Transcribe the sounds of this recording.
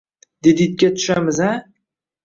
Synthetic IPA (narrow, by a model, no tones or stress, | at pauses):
d̪ed̪it̪̚kʲat̪ʰʊ̥ʃamɪza